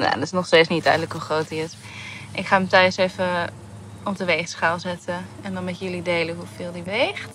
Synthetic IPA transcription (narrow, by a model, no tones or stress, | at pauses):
na̰dɔtɪsnɔxsteːt͡ssnidœ̰jdnləkɦuχroːtiɪs | ʔɪkχaːəmtœɥəseːvə | ɔpdəʋeːxsχalˠzɛtəɛndɔnmɛtjəlideːləɦufɪlˠdiʋeːxt